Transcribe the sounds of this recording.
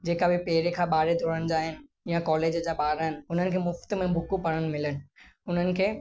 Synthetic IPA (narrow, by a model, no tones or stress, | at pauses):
d͡ʑeːkabʱipeːɾekʰaɓaːɾed̪ʱoːɽəɽ̃d͡ʑaːɦɪnɪ̆ | jãkɔːleːd͡ʑd͡ʑaɓaːɾənɪ̆ʊn̤ənɪ̆kʰeːmʊft̪mẽbʱʊkupɐɽəɽ̃̆mɪlənɪ̆ʊn̤ənɪ̆kʰeː